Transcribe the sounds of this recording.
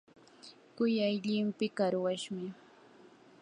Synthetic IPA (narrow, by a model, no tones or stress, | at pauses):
kʊjajʎɪmpɪkaɾwaʃmɪ